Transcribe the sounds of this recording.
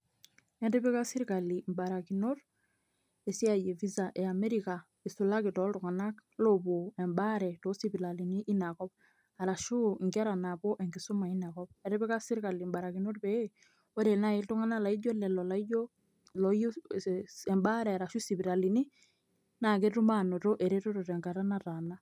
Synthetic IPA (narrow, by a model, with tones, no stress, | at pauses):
ɛ˦dɛ˦bɛ˦ka˦si˦ɾka˨li˨mba˨ɾa˨ki˨no˦r | e˨si˦a˨je˨vi˦za˨ʔɛ˨a˨mɛ˦ɾi˨ka˨ | i˨su˨la˦kɪ˨tɔ˨˦ltʊ˨ŋa˨na˦klo˨bo˨ɛ˨mba˦ɾɛ˨to˦si˦bi˨la˨li˨ni˦ʔːna˨kɔ˦p̚ | a˨ɾa˨ʃu˦˨ŋɡɛ˦ɾa˨na˨po˦ʔɛ˨ŋɡi˨su˦ma˨i˦na˨kɔ˦p̚ɛ˨ɾe˦pɛ˦ka˦si˦ɾka˨li˨mba˨ɾa˨ki˨no˦rpɛ˦e˦ | o˦ɾe˨na˦i˦ltu˦ŋa˦na˦la˨i˦d͡ʒo˦lɛ˨lɔ˨la˨i˦d͡ʒo˦ | lɔ˨ju˦ | ɛ˨mba˦ɾɛ˨a˨ɾa˨ʃu˦si˨pi˨ɾa˨li˨ni˦ | na˨ke˦tu˦ma˦˨no˨to˦ʔe˨ɾe˦to˦to˨tɛ˨ŋɡa˨ɾa˦na˦ta˨na˦